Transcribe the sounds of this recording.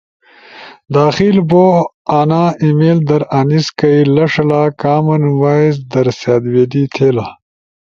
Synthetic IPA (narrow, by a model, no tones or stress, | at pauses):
d̪aːxiːlboːaːnaːimeːld̪ɐɾaniskɐilɐʂɐlaːkaːmɐnwaːizd̪ɐɾsjaːd̪weːd̪iːt̪ʰeːla